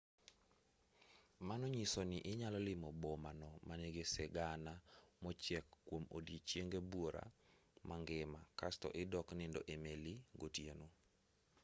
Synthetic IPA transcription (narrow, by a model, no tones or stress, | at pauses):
manoɲisonɪʔɪɲalɔlɪmɔbɔmanɔmaneɡesɛɡanamɔt͡ʃjɛkːwomo̰dit͡ʃjeŋɡebwoɾa̰mʔaŋɡɪmakastɔ̰ʔɪdɔknɪndɔ̰ʔemeliɡotjeno